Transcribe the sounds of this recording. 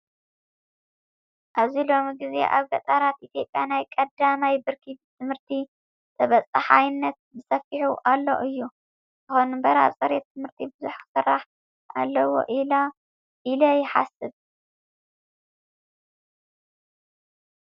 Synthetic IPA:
ʔaβzilo̞miɡize̞̰ʔaβɡɐt̪ʼaɾat̪ʔit̪ʰjo̞pʼːjanajkʼɐd̪amajbɨɾkʰibt̪ʰɨmhɨɾt̪ʰi | t̪ʰɐβɐt͡sʼɨħajnːɐt̪̚bɨsɐfiħuʔalːo̰ʔɨjːu | tɨxonbɐɾa̰sʼɐɾet̪ʰɨmhɨɾt̪ʰibɨzuħkɨ̥sɨrːaħ | ʔa̰lːɐwo̰ʔila | ʔilɐjɪħa̰sɨβ

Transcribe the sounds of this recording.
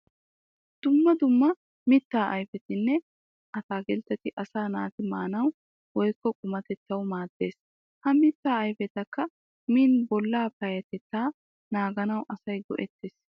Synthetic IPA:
d̪̥ʊmːɐd̪ʊmːɐ | mɪt̪ːaːʔɐjfɛt̪ɪnːɛ | ʔɐt̪aːɡɛlt̪ːɛt̪ːɪʔɐsaːnaːt̪ɪmaːnɐw | wɔjkːɔkʼʊmɐt̪ɛt̪ːɐwmaːd̪ːe̞ːs | hɐmɪt̪ːaːɐjfɛt̪ɐkːɐ | miːnbɔlːaːpɐjɐt̪ɛt̪ːaː | naːɡɐnɐwʔɐsɐjɡɔ̰ʔɛt̪ːeːs

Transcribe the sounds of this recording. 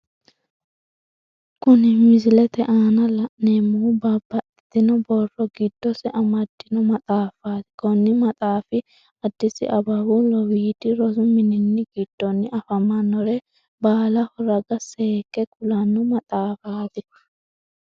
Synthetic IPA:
kʊnɪmɪzɪlɛt̪ɛʔaːnɐlɐʔneːmːubɐbːɐt̪ɪd̪ɪnɔbɔrːɔɡɪd̪̥ːɔsɛʔɐmɐd̪ːɪnɔmɐt̪ʼaːfaːt̪ɪ̥kɔnːɪmɐt̪ʼaːfɪ | ɐd̪ːɪsɪ̰ʔɐbɐbʊlɔwiːd̪ɪɾɔzʊmɪnɪnːɪɡɪd̪̥ːɔnːɪʔɐfɐmɐnːɔɾɛ | baːlɐhɔɾɐɡɐsekːɛkʼʊlɐnːʊmɐt̪ʼaːfaːt̪ɪ

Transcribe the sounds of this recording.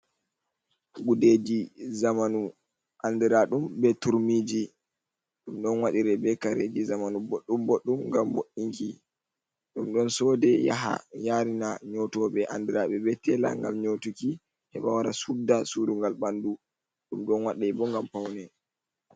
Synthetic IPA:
ɡuded͡ʒizamanu | ʔandiɾaɗumbɛtuɾmid͡ʒi | ɗumɗɔnwaɗiɾɛbɛkaɾed͡ʒizamanuboɗːumboɗːumŋɡamboɗiŋki | ɗumɗɔnsɔdɛja̰ɦa̰jaːɾinaɲɔtɔɓɛʔa̰ndiɾaɓɛbɛtɛla̰ŋɡamɲotuki | hɛɓawaɾasudːasuduŋɡalɓandu | ɗumɗɔnwaɗabɔŋɡampawnɛ

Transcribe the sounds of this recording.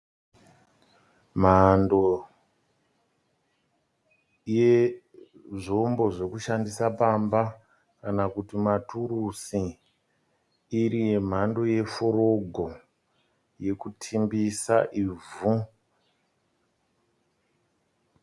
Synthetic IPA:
m̤ando | je | ʐombo̞ʐe̞kuʃandisapamba | kanakutimaturusi | rije̞m̤ando̞je̞foɾo̞ɡʱo̞ | je̞kutʰimbisa̰ʔivu

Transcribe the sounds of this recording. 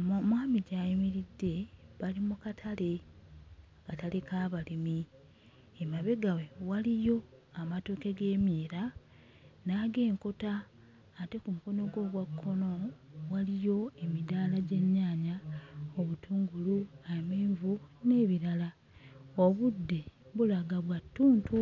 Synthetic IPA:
mwaːmiɟaːjimiɾidːe̞βalimukatʰale̞ | katalekaːβalimi | emaβe̞ɡawe̞walijo̞amatoːke̞ɡe̞ːmiːɾa | naːɡe̞ːŋko̞taː | te̞kumuko̞noɡo̞ːβwakʰːo̞no̞walijo̞e̞midaːlaɟe̞ɲːaːɲaoβutʰuːŋɡuluajemeːɱvune̞βiɾala | oβudːe̞βulaɡaβwatːuːntʰu

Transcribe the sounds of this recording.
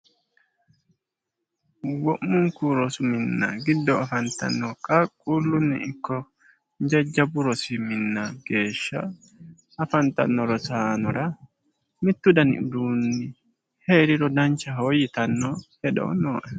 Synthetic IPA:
wɔʔːʊŋkuɾɔsʊmɪnːɐ̰ɡɪd̪ːɔɐfɐnt̪ɐ̰nːɔkʼɐkʼːulːʊnːɪ̰ɪkːɔ | nd͡ʒɛd͡ʒːɐbʊɾɔsɪmɪnːɐɡ̥e̞ːʃːɐ | ɐfɐnt̪ɐ̰nːɔɾɔsaːnɔɾɐ | mɪt̪ːʊd̪ɐnɪ̰ʊd̪uːnːɪ | he̞ːɾɪɾɔd̪ɐnt͡ʃːɐɦoːjɪt̪ɐnːɔhɛd̪o̰ːnoːʔɛ

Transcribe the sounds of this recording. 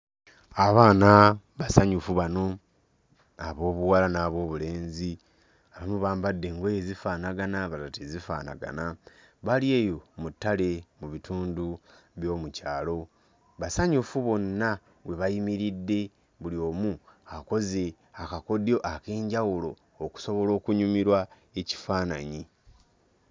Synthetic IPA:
aβaːna | βasaɲufuβano̞ | aβo̞ːβuwalanaːβo̞ːβule̞ːnzi | aβamuβaːmbadːe̞ŋɡojezifaːnaɡanaβalatezifa̰ːna̰ɡa̰na | βalie̞ːjo̞mutːale̞muβitʰuːndu | βjo̞ːmucaːlo̞ | βasaɲufuβo̞nːa | βwe̞βajimiɾidːe̞ | βulio̞ːmuako̞ze̞ | akako̞djo̞ʔake̞ːɲɟawulo̞ː | ku̥so̞βo̞lo̞ːkuɲumiɾwa | eci̥faːnaɲi

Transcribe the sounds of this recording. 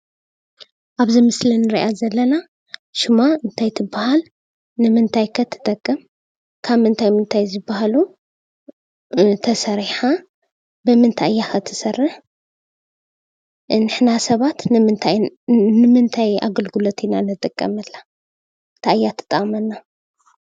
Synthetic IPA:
ʔaβzimɨslinːɨɾiʔazɐlːɐna | ʃɪmaɨnt̪ʰajt̪ʰɨbːahal | nɨmɨnt̪ʰajkʰɐt̪ʰːɨ̥t̪ʼɐkʼːɨm | kʰaβɨnt̪ʰajmɨnt̪ʰajzɨbːahalu | t̪ʰɐsɐɾiħa | bɨmɨnt̪ʰaʔjːakʰɐt̪ʰɨ̥sɐrːɨħ | nɨħnasɐβat̪nɨmɨnt̪ʰajnɨmɨnt̪ʰaja̰ɡɨlɡulot̪ʰinanɨd̪ʼɐkʼːɐ̰mɐlːa | nt̪ʰaʔjːat̪ʰɨ̥t̪ʼɐχʼmɐnːa

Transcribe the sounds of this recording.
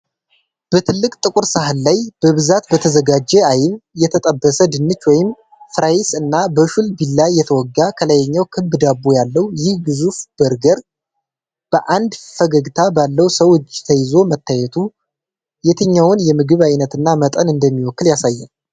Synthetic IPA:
b̥ət̪ʰɨlːɨkʼt̪ʼɨkʼuɾsaɦɨnːajb̥əβɨzat̪bət̪ʰəzəɡad͡ʒːɛajɪnjɛt̪ʰət̪ʼəbːəsəd̪ɨnːɨt͡ʃːwɔjɪm | fɾajɪsɨnːabəʃulbilːajɛt̪ʰəwɔɡːakʰələjɛɲːawkʰɨbːɨd̪abːujalːəwjɪhɡɨzufb̥əɾɡəɾ | b̥əʔand̪fəɡəɡt̪ʰabalːəwsəwt͡ʃʼːt̪ʰəjɪzo̞mət̪ʰːajɛt̪ʰu | jɛt̪ʰəɲːawʊnjɛmɨɡɨβajnət̪ɨnːamət̪ʼənɨnd̪əmːiwɔkːɨljasajːɛn

